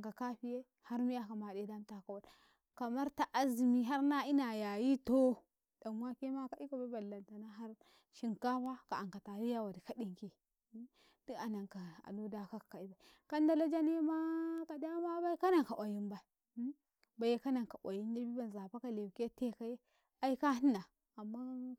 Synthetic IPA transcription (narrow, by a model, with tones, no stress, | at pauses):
ŋka˨ka˦ɸi˦je˦ | ha˦ɾmi˦ja˦ka˨ma˨de˦da˦m˦ta˨ka˨wa˨l | ka˨ma˦ɾta˨ʔa˦zi˨mi˦ɦa˦ɾna˦i˦na˨ja˨ji˦to˦ | da˨n˦wa˦ke˦ma˦ka˨˦i˦ka˨ba˦ba˨lːa˨nta˨na˦ɦa˦ɾ | ʃi˦ŋka˦ba˦ka˨a˨ŋka˨ta˨ɾi˦ja˦wa˨di˨ka˦di˨ŋke˨˦ | di˦a˨na˨ŋka˨a̰˨do˦da˨ka˦kḁ˨ka˨i˦ba˨i˨ | ka˦nda˦la˦d͡ʒa˦ne˦ma˦ka˨da˦ma˦ba˦i˦ka˦na˨ŋka˨wa˨ji˦nba˨i˨˦ | ba˨je˦ka˦na˨ŋka˨ʔʷwa˨ji˦n˦i˦ɾbi˦ba˨nza˨pa˦ka˨le˨ke˦te˦ka˦je˦ | a˦i˦ka˦ni˦na˨ | a˨mːa˦